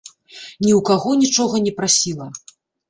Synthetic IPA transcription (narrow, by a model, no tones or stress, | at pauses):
nʲiwkaɣɔnʲit͡ʂɔɣɐnʲɛpɾasʲilˠɐ